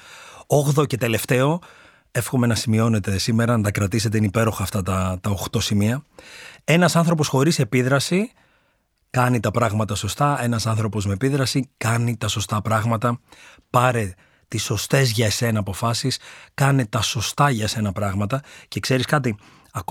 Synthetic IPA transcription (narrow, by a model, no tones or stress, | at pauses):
oɣðo̞ce̞t̪e̞le̞ft̪e̞o̞ | e̞fxo̞me̞nɐsimio̞ne̞t̪e̞sime̞ɾɐnɐt̪ɐkɾɐt̪ise̞t̪e̞inipe̞ɾo̞xɐːft̪ɐt̪ɐt̪ɐo̞xt̪o̞simiɐ | e̞nɐsɐnθɾo̞p̬o̞sxo̞ɾise̞piðɾɐsi | kɐnit̪ɐpɾɐɣmɐt̪ɐso̞st̪ɐe̞nɐsɐnθɾo̞po̞zmepiðɾɐsikɐnit̪ɐso̞st̪ɐpɾɐɣmɐt̪ɐ | pɐɾe̞ | t̪iso̞st̪e̞zʝɐesenɐpo̞fɐsiskɐnet̪ɐso̞st̪ɐʝɐese̞nɐpɾɐɣmɐt̪ɐce̞kse̞ɾiskɐt̪̬i | ɐk